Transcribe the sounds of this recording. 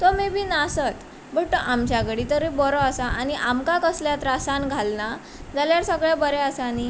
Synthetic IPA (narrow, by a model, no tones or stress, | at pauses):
t̪ɔmibʱiːnasət̪ | bəɽʈːɔʔamt͡ɕaɡəɽit̪əɾebɔɾɔasaʔaniʔamkakəsljat̪ɾasãnɡʱalna | d͡zaljaɾsəɡɭɛbəɾɛəsaːni